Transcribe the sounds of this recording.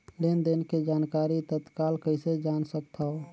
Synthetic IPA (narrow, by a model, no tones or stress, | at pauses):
lend̪enked͡ʒankaɾit̪ət̪kalkəɪsed͡ʒansək̚t̪ʰao